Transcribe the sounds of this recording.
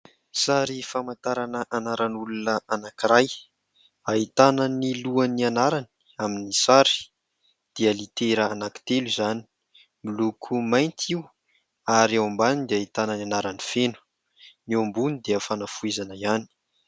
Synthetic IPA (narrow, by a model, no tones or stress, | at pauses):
saɾifamant̪aɾanəʔanaɾanulunəʔanakiɾaj | ait̪ananiluanianaɾani̥ | aminisaɾi̥ | d̪̥eəlit̪eɾəanaki̥t̪elizani̥ | milukʰumajnt̪ʰiu | aɾawambanid̪eait̪ananianaɾanifenu̥ | niombunid̪eəfanafuezanəiani̥